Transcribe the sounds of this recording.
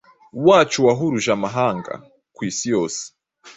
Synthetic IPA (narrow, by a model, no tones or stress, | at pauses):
waːt͡ʃuwaɦuɾuʒamaɦaːŋɡa̰ | kwiːsijoːse̥